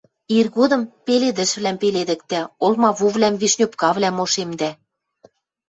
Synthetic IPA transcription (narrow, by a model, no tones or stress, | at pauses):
irɣod̪ɤ̆mpeled̪ɘ̆ʃβlæmpeled̪ɘ̆k̚t̪æolmɑβuβlæmβeʃnʲopkɑβlæmoʃemd̪æ